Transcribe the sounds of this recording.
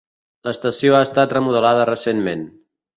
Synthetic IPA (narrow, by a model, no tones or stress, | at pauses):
ləst̪əsioaəst̪at̪rəmuð̞əlaðərəsenmen